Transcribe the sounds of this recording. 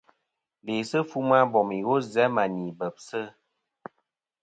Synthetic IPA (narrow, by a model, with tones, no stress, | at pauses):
le˨sə˦fu˦ma˦bɔ˨mi˨ɣo˦zɛ˨˦ma˨ni˨bə˨p̚sə˦